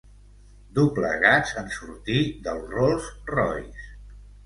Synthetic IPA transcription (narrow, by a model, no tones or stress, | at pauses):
d̪upləɣazənsuɾt̪iðəlˠrɔlˠzrɔ̰js